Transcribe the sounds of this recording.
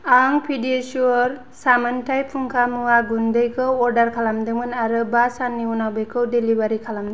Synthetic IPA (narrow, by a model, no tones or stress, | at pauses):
aŋpʰidiesuɾ | samɯntʰajpʰuŋkʰamuwaɡundɯjkʰɯwɔɾdaɾkʰalamdɯmɯnaɾɯbasanːiunawbɯjkʰɯwdelibaɾikʰalamdɯ